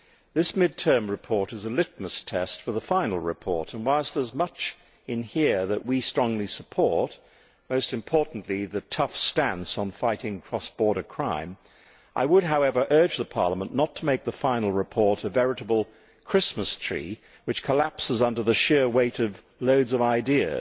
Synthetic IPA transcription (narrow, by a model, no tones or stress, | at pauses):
ðɪsmɪd̚tʰɜ̃˞mɹɨpʰɔɹɾɨzəlɪt̚məstʰɛstfə˞ðəfãɪ̃nl̩ˠɹɨpʰɔ̰ɹɾə̃nwaɪlˠsðə˞zmʌt͡ʃ | ɨ̃nhiɹðɨʔwistɹ̥ɔ̃ŋlisəpʰɔɹt̚ | moʊstɨ̃mpʰɔɹʔn̩ʔliðɨtʰʌfstæ̃nsn̩faɪɾɪ̃ŋkʰɹ̥ɔsb̥ɔɹɾə˞kʰɹ̥ãɪ̃m | ʔa̰ɪwəd̚ɦaʊɛvə˞ʔɜ˞d͡ʒðəpʰɑ̰ɹlˠəmə̃nːətʰəmeɪk̚ðəfãɪ̃nl̩ˠɹɨpʰɔɹɾɨvɛɹɨɾəbl̩ˠ | kʰɹ̥ɪsməstʰɹ̥ḭ | wɨt͡ʃkʰəlæpsəzʌ̃ndə˞ðɨʃɪɹweɪɾʌv | loʊdzʌvaɪdiɨ̰